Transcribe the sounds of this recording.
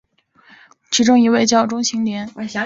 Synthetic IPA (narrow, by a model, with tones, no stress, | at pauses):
ʈ͡ʂʰi˧˥ʈ͡ʂʊ˥ŋi˧˥we˥˧ɪt͡ɕjɑ˥˩ʊʈ͡ʂʊ˥ŋɕi˧˥ŋljɛ˧˥n